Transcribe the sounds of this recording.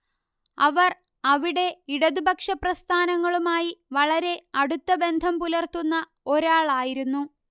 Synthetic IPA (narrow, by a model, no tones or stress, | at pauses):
ɐʋɐr | ɐʋiɽe̞iɽɐðubɐkʂɐprɐst̪ʰaːnɐŋːɐɭumaːjiʋɐɭɐɾe̞ɐɽut̪ːɐbe̞nd̪ʱɐmpulɐrt̪unːɐ | o̞ɾaːɭaːjiɾunːu